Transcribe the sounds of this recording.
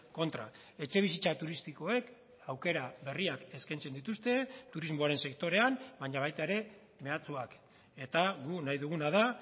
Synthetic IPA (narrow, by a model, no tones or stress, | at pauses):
ko̞nt̪ɾa̰ | e̞t͡ʃe̞β̞isit͡sat̪uɾist̪iko̞e̞k | awke̞ɾaβe̞riake̞skajnt͡se̞nd̪it̪ust̪e̞t̪uɾizmoaɾe̞nse̞k̚t̪o̞ɾe̞ambaɲaβ̞ajt̪aeɾe̞ | me̞at͡suak | e̞t̪aɣunajðuɣ̞unað̞a